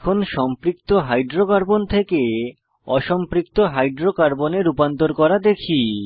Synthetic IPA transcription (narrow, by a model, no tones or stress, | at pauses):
kʰonʃɔmpɾik̚t̪oɦajɖɾokaɾbont̪ʰeke | ɔʃɔmpɾik̚t̪oɦajɖɾokaɾboneɾupant̪oɾkɔɾad̪ekʰi